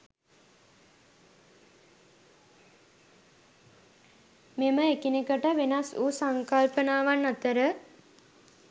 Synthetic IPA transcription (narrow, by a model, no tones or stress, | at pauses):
meməekinekəʈəʋenasuːsaŋkalpənaːʋanːat̪əɾə